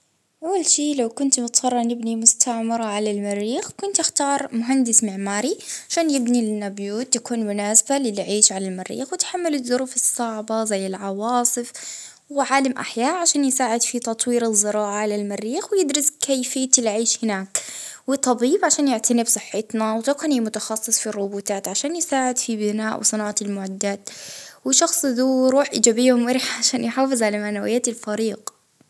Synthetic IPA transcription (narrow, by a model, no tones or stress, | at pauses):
ʔawːalʃiːlawkʊnt̪mʊt̪sˤɑrˤːɑnɪbnimʊst̪ʰaʕmɪɾˤɑʕalalmɪrːiːxkʊnt̪ɪxt̪ɑːɾˤmʊɦand̪ɪsmɪʕmaːɾiʕaʃaːnjɪbnilɪnːabjuːt̪ːakuːnmʊnaːsbalɪlʕiːʃʕalalmɪɾːḭːxwɪt̪ħamːalɪðʊɾuːfɨsˤːɑʕbɑzajːɪlʕɑwɑːsˤɨf | wɪʕaːlamʔa̰ħjaːʔʕaʃaːnjsaːʕɪd̪fit̪ɑt̪ˤwiːɾɨzːɨɾˤɑːʕaʕalalmɪɾːiːxwɪjɪd̪ɾɪskʰajfɪjːat̪ɪlʕiːʃhɪnaːkwɪt̪ˤɑbiːbʕaʃaːnjɪʕt̪ʰanɪbsˤɨħːɪt̪nawt̪ɑkanimʊt̪ɑxɑsˤːɨsˤfirˤːʊbuːt̪aːt̪ʕaʃaːnjɪsaːʕɪd̪fibɪnaːʔwʔsˤɨnaːʕɑɪlmʊʕad̪ːaːt̪wɪʃɑxsˤðuɾuːħʔɪːd͡ʒaːbɪjːhʊmwɪɾɪħʕaʃaːnjħaːfɨzˤʕalamaʕnawɪjːaːt̪ɪlfaɾiːɡ